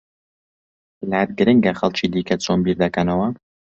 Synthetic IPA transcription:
lad̪̚ɡɨɾɨŋɡɐxɐlˠt͡ʃiːd̪iːkɐt͡sʰonbiːɾd̪ɐkɐnɐwɐ

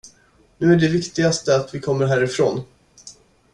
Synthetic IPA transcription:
nʉ̟ːæɖɛvɪkt̪ɪɡast̪əat̪vɪkʰɔmːəɾɦæːɾɪfɾoːn

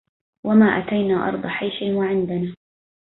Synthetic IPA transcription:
wamaːʔat̪ajnaːʔɑ̰ɾˤd̪ˤɑħajʃɪwaʕɪnd̪anaː

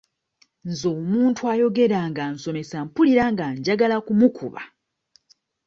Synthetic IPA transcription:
nzoːmuːntʰuajo̞ɡe̞ɾaːŋɡanso̞me̞sampuliɾaŋɡaɲɟaɡalakumukʰṵβa̰

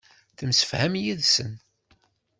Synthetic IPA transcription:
θəmsə̥fhæmjiðsən

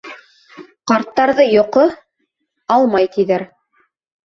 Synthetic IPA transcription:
qɑɾt̪ːɑɾðɤjŏqɤ | ɑlˠmɑjt̪iðæɾ

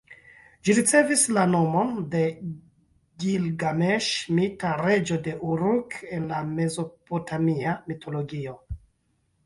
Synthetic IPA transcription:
d͡ʒiɾit͡se̞vislano̞mo̞nde̞ | ɡilɡameʃmitaɾe̞d͡ʒo̞de̞ʔuɾuke̞nlame̞zo̞potʰamiamitʰo̞lo̞ɡio̞

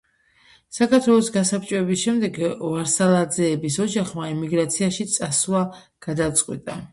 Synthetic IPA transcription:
sakʰaɾt̪ʰwɛlˠɔsɡasap̚t͡ʃʼwɛbisʃɛmd̪ɛɡvaɾsalˠad̪zɛːbisɔd͡ʒaχmaimiɡɾat̪sʰiaʃit̪sʼaswva | ɡ̥ad̪at̪sʼqʼwḭt̪ʼa

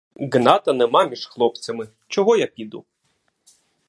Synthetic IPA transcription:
ɡnɑt̪ɐnemɑmʲiʃxlˠɔpt͡ssʲɐmɪ | t͡ʃɔɦɔjapʲid̪ṵ

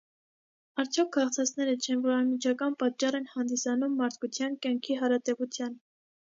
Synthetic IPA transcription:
ɑɾt͡sʰjɔkʰːɑχt͡sʰɑt͡sʰnɛɾət͡ʃʰɛnvɔɾɑnmit͡ʃʰɑkɑnpɑt̚t͡ʃːɑrɛnhɑnd̪isɑnumːɑɾt̪̚ʰkʰut͡sʰjɑnkjɑŋkʰiɦɑɾɑt̪ɛvut͡sʰjɑn

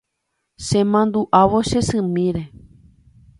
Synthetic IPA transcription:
ʃẽmãnd̪uʔaʋoʃesɨ̃mĩɾe

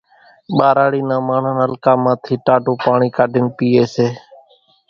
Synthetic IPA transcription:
ɓaːɾaːɽiːnãːmaːɳ̤ənəlkaːmãːt̪ʰiːʈaːɖõːpaːɳiːkaːɖʱɪnpiːeːseː

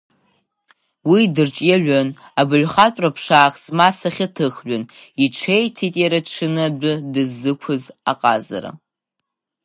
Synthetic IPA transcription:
widɨrt͡ʃʼjaɥʷᶣan | abɨlχatʷʼrapʰʂaːχzmasaχʲɪtʰɨχɥʊniʈ͡ʂʰejtʰitʼjaɾaʈ͡ʂʰɨnɨdʷʊdɨzːɨkʷʰʊzaqʼa̰za̰ɾa̰

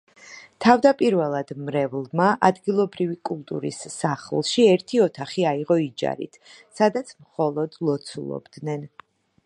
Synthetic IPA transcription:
t̪ʰavd̪apʼiɾvɛlˠad̪̥mɾɛvlˠmaʔad̪ɡilˠɔbɾivikʼulˠt̪ʼṵɾḭsːaχlˠʃiɛɾt̪ʰiɔt̪ʰaχiaiʁɔid͡ʒa̰ɾḭt̪ʰ | sad̪at̪sʰmχɔlˠɔd̪lˠɔt̪sʰṵlˠɔ̰bd̪nɛn

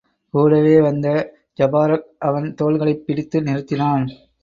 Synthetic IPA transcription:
kuːɽɐʋeːʋɐnd̪ɐ | d͡ʒɐbaːɾɐk̚ʔɐʋɐnt̪oːɭɣɐɭɐɪpːɪɽɪt̪ːɯnɪɾɯt̪ːɪnaːn

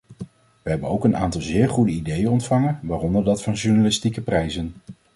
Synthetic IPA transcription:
ʋəɦɛbənowkəna̰ːntɑlˠzɪːɹχudəidejənɔntfɑŋənʋaːrɔndəɹdɑtfɑnʒuɹnalɪstikəprɛjzən

